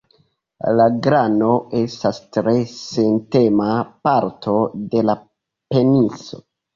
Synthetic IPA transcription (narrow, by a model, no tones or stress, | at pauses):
laɡɾano̞e̞stastɾe̞sente̞mapaɾtʰo̞de̞la | pe̞nit͡so̞̰